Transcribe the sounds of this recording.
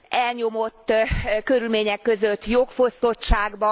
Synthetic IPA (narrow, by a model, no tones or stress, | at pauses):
ɛlɲo̞mo̞t̪ːkøɾylmeːɲɛkːø̞zøt̪ːjokfo̞st̪o̞t͡ʃaːɡbɒ